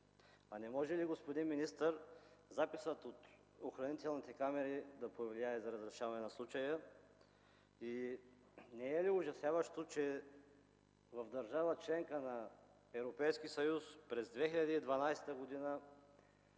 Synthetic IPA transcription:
anɛmɔʒɛliɡospod̪inminist̪əɾzapisət̪ot̪ | oxɾɐnit̪ɛlˠnit̪ɛkamɛɾid̪ɐpovliaɛzɐɾɐzɾɛʃavɐnɛnɐslˠut͡ʃɐjə | i | nɛɛliʊʒɐsjavəʃt̪ot͡ʃɛ | vɐvd̪ɐɾʒavət͡ʃlɛŋkənɐ | ɛvɾopɛjsk̟isɐjuspɾɛzd̪vɛxiʎʲɐd̪iːd̪vɐnajsɛ̥t̪əɡod̪inə

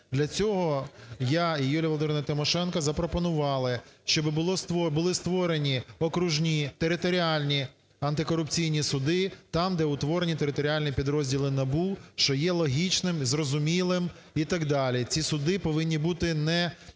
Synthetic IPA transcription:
d̪lʲɐt͡sʲɔɦɔjaijulʲɐʋɔlˠd̪ɪmnɐt̪ɪmɔʃɛnkɐzɐpɾɔpɔnʊʋɑlˠɪʃt͡ʃɔbbʊɔst̪ɔbʊlˠɪst̪ʋɔɾe̞nʲiɔkɾuʒnʲit̪eɾɪt̪ɔɾʲialʲnʲi | ɐnt̪ɪkɔɾʊpt͡sʲijnʲisʊd̪ɪt̪ɑmd̪ɛʊt̪ʋɔɾenʲit̪eɾɪt̪ɔɾʲialʲnʲipʲid̪ɾɔzʲdʲilˠɪnɐbuʃt͡ʃɔjɛlˠɔɦʲit͡ʃnɪmzrɔzʊmʲilˠɪm | it̪ɐɡd̪ɑlʲit͡sʲisʊd̪ɪpɔʋɪnʲːibut̪ɪnɛ

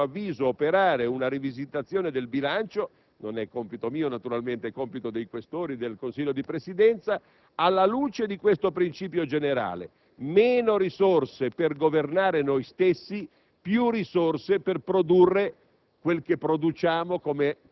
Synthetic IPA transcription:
avːiːzoːpeɾaːɾeunaɾivizit̪at̪sːjoːned̪elbilant͡ʃo | nonɛkːompit̪omiːonat̪uɾalment̪ekompit̪od̪ejkwest̪oːɾid̪elkonsiːʎːod̪ipɾesid̪ɛnt̪sa | alːaluːt͡ʃed̪ikwest̪opɾint͡ʃiːp̬jod͡ʒeneɾa̰ːlḛ | meːnoɾisorseperɡovernaːɾenojst̪esːi | pjurisorseperpɾod̪urːe | kwelkepːɾod̪ut͡ʃaːmokome

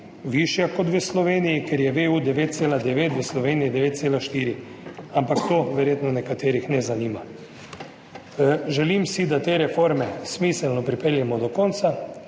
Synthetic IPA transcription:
ʋiʃjakɔt̪ʋəslɔʋeːnijikɛɾjɛʋeːud̪ɛʋeːt̪̚seːlad̪ɛʋeːt̪ʋəslɔʋeːnijid̪ɛʋeːt̪t̪seːlaʃt̪iːɾi | ampakt̪oʋɛɾjeːt̪nɔnɛkat̪eːɾixnɛzaniːma | ʒɛlimsid̪at̪eːɾɛfoɾmɛsmiːsɛlnɔpɾipɛljɛmɔd̪ɔkɔnt̪sa

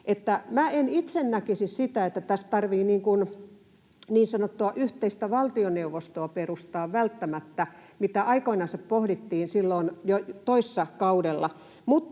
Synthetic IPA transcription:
ʔet̪ːæmæenit̪sennækisissit̪æet̪ːæt̪æst̪ɑrʋiːniːŋkun | niːnsɑnot̪ːuɑʔyht̪eist̪æʋɑlt̪ioneuʋost̪oɑperust̪ɑːʋʋælt̪ːæmæt̪ːæmit̪æʔɑikoinɑnsɑppohɾit̪ːiːnsilːoinjot̪oisːɑkɑudelːɑ | mut̪ː

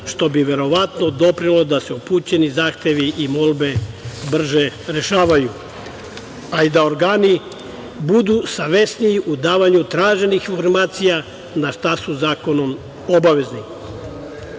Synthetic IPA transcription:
ʃt̪o̞biʋe̞ɾo̞ʋat̪no̞d̪o̞pɾinlˠo̞d̪aseupuːt͡ɕe̞nizaːxt̪e̞ʋiʔimo̞lˠbe̞br̩ʒeɾe̞ʃaːʋaju | aid̪ao̞ɾɡaːni | bud̪usaʋesnijiʔud̪aːʋaɲut̪ɾaːʒe̞nixinfo̞ɾmaːt̪sija | naʃt̪asuzaːko̞no̞m | obaʋe̞zni

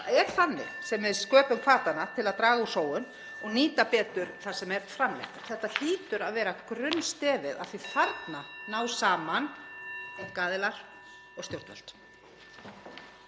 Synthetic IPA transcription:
ɛɾ̥θanːɪ̰sɛmvɪðskœːpʏmkʰvaːt̪anat̪ʰɪlaðt̪ɾaːɣausoːwʏn | ɔɣniːt̪apɛːt̪ʏɾ̥θḁsɛmɛɾ̥fɾamlɛ̰xt̪θɛht̪ːal̥iːt̪ʏɾaðvɛːɾakɾʏnst̪ɛːvɪða̰ðθvifaɾt̪nanaːwsaːmanɛt̪kaːðɪlaɾ̥ | ɔɣst̪jowɾt̪vɛ̰l̥t̪

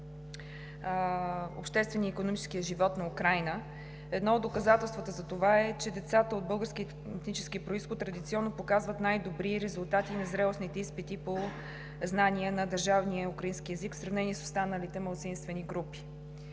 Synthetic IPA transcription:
o̰pʃt̪ɛst̪vɛniəikonomit͡ʃɛ̥skijəʒivɔt̪nɐukɾajnə | ɛd̪nɔod̪ːokɐzat̪ɛlˠst̪vət̪əzɐt̪ovaɛt͡ʃɛd̪ɛt̪sat̪əod̪̚bɤlˠɡəɾski | t̪nit͡ʃɛ̥skiəpɾoisxot̪tːɾɐd̪it̪siɔnːopokazvət̪najd̪obɾiɾɛzulˠt̪at̪inɐzɾɛlˠosnit̪ɛispit̪ipo | znaniənɐd̪əɾʒavniəukɾəinskiɛzikfsɾɐvnɛniɛso̥st̪anəlit̪ɛmɐlˠt̪sinst̪vɛniɡɾupi̥

